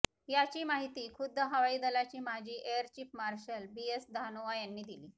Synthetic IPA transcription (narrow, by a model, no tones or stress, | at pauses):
jat͡ɕiːmaɦit̪iːkʰud̪ʱːəɦəʋaid̪əlat͡ɕiːmad͡ʑʱiːʔejəɾt͡ɕipmaɾɕəlbiesd̪ʱanoʋajanːiːd̪iliː